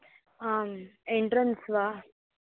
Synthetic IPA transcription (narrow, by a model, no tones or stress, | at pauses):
ameɳʈɾənsʋa